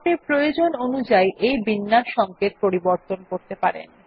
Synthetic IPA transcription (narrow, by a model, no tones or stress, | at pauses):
eɾpɾojod͡ʑononud͡ʑajʔejbinːaʃɔŋket̪̚poɾiboɾt̪onkoɾt̪epaɾḛn